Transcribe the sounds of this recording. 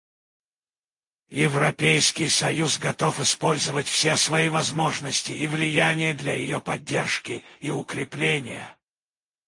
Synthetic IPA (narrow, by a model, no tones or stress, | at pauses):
jɪvɾɐpʲejskʲɪjsɐjusɡɐt̪ofɪspo̞lʲzəvətʲfsʲesvɐivɐzmoʐnəsʲtʲɪivlʲɪjanʲɪjəd̪lʲɐjɪ̰jopɐdʲːerʂkʲɪiʊkɾʲɪplʲenʲɪjə̰